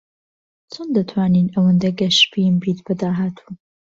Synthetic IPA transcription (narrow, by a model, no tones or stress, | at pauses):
t͡sʰond̪ɐt̪ʰwaːninɐwɐnd̪ɐɡɐʃpimbiːt̪bɐd̪aːɦaːt̪ʰuː